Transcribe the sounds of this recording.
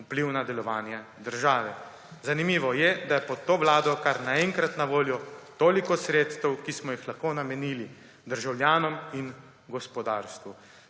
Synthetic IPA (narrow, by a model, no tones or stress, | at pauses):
upliwnad̪ɛlɔʋaːnjɛd̪əɾʒaːʋɛ | zanimiːʋɔjɛd̪ajɛpɔt̪ːoːʋlaːd̪ɔkaɾnaɛŋkɾat̪naʋoːljɔt̪oːlikɔsɾeːt̪st̪ɛwkismɔjixlaxkoːnamɛnili | d̪əɾʒawljaːnɔmin | ɡɔspɔd̪aːɾst̪ʋu